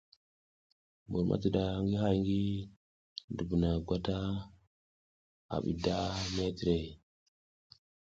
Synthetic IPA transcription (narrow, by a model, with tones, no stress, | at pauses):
bu˨ɾmʔa̰˦ti˨ɗa˨˦ŋɡi˦ɦa˦jŋɡi˦ | du˨bu˨na˨ɡʷa˦ta˦ | a̰˨ɓḭ˨da˦me˦ti˨ɾe˨